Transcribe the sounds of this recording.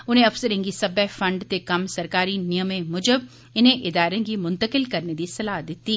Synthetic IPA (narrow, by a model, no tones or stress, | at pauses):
ʊn̤ẽɐfsəɾẽŋɡisɐbɛfɐ̃ɳɖt̪ekɐmsɐɾkaːɾinɪjəmẽmʊd͡ʒəb̚ | ɪnẽʔɪd̪aːɾẽɡimʊ̃nt̪əkɪlkɐɾned̪isɐlaːɦd̪ɪt̪iː